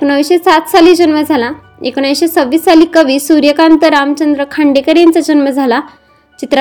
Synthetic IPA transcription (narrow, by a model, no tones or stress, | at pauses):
eknəʋɕesat̪saliːd͡ʑənʋəd͡zʱala | ekɳajɕesəʋːiːssaliːkəʋiːsuɾjəkant̪əɾamt͡ɕənd̪ɾəkʰaɳɖekəɾent͡sad͡ʑənməd͡zʱala | t͡ɕit̪ɾə